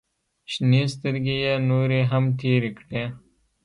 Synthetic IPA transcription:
ɕniːst̪əɾɡijanuːɾeːɦɐmt̪ʰiːɾikʈeː

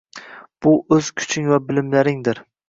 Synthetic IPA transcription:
b̥ʊʔɵz̥kʲʰʊ̥t͡ʃʰɪŋvabɪlɪmlaɾɪŋd̪ɪɾ

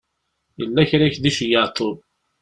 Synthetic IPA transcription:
jəlːæçɾæçðiʃjət̪ʰˤːoð

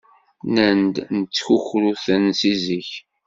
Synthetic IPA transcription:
nənd̪nət͡sːçuçɾuθənsiziç

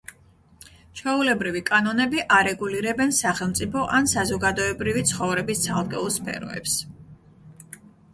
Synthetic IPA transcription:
t͡ʃʰɛulɛbɾivikʼanɔnɛbiʔaɾɛɡuliɾɛbɛnsaχɛlˠmt̪sʼipʰɔʔansazɔɡad̪ɔɛbɾivit̪sʰχɔvɾɛbist̪sʰalˠkʼɛ̰ulˠspʰɛ̰ɾɔ̰ɛ̰ps

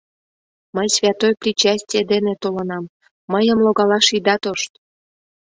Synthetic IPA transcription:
məjsvʲɑt̪ojprʲit͡ɕæsʲtʲijed̪enet̪olɤnɑmː | əjəmloɣɑlɑʃid̪ɑt̪oʃt̪

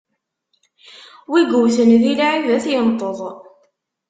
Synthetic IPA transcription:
wiɡuwθənðilaʕivæθjənt̪ˤəðˤ

